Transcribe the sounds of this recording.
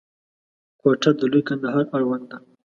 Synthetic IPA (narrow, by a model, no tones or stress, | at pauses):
kwaʈad̪əlujkand̪aɦɑɾaɽwand̪d̪a